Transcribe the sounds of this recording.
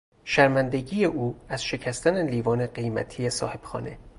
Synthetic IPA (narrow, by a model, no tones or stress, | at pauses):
ʃæɾmænd̪e̞ɟiːje̞ʔuːæz̥ʃe̞cʰæst̪æneliːvɒːne̞ɢe̞jmæ̰t̪ʰijesɒ̰ːhe̞b̥xɒ̰ːne̞